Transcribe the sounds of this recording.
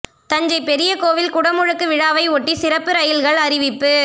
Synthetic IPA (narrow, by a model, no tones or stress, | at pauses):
t̪ɐɲd͡ʒɐɪpɛɾɪjɐkoːʋɪlkʊɽɐmɯɻɯkːɯʋɪɻaːʋɐɪɔʈːisɪrɐpːɯɾɐjɪlɣɐɭɐɾɪʋɪpːɯ